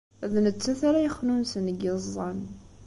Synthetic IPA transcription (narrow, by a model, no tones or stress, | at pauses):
æðnət͡sːæθaɾajəχnunsənɡɪzˤːɑn